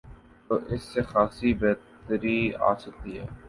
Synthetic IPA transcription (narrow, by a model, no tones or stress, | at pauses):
t̪oːʔɪsːexaːsibeːt̪əɾia̰ːsɐk̚t̪iɦɛː